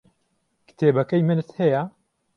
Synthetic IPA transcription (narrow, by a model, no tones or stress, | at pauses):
kɨ̥t̪ʰeːbɐkɐjmɨnɨt̪hɛjɐ